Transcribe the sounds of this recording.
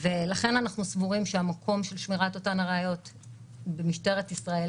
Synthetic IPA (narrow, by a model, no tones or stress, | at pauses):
velaχe̞nanaχnusvuʁimʃeamakʰo̞mʃelʃmiʁato̞tanaʁeajo̞t | bemiʃte̞ʁetisʁae